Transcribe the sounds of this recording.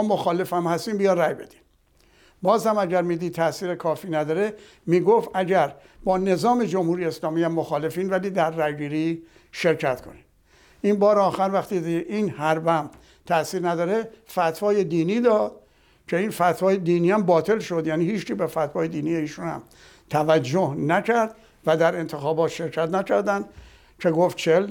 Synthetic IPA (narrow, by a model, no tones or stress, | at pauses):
mːmoxɒːle̞fæmhæst̪iːmbijɒræjbe̞d̪̥i̥m | bɒːzhæmæɟæɾmiːd̪iːt̪ʰæsiːɾekʰɒːfiːnæd̪ɒːɾe | miːɡofʔæɟæɾ | bɒːne̞zɒːme̞d͡ʒomhuɾijeːslɒːmiːæmːoxɒːle̞fiːnvæliːd̪æɾːæjɡiːɾi | ʃe̞ɾcʰæt̪kʰo̞̰nid | inbɒːɾeɒːxæɾvæxt̪iːʔinhæɾbæm | t̪ʰæsiːɾnæd̪ɒːɾefæt̪vɒːje̞d̪iːniːd̪ɒːd̪̥ | kʰe̞infæt̪hɒːjed̪iːniːæmbɒːt̪ʰe̞lʃo̞d̪jæːniːhiːt͡ʃkiːbefæt̪vɒːje̞d̪iːnijeiːʃuːnhæ̰m | t̪ʰævæd͡ʒːohnækʰæɾd̪̥ | væd̪æɾe̞nt̪ʰexɒːbɒːt̪ʃe̞ɾkʰæt̪nækʰæɾd̪ænd̪̥ | kʰe̞ɡoft̪t͡ʃʰel